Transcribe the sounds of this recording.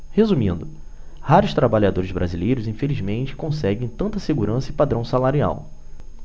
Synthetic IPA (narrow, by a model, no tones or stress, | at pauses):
hezũmĩnd̪ʊ | haɾʊʃt̪ɾabaʎad̪oɾɪzbɾazilejɾʊzĩfelizmẽnt͡ʃɪ̥kõsɛɡẽj̃t̪ɐ̃nt̪ɐseɡuɾɐ̃sɐɪpad̪ɾɐ̃w̃salaɾia̰w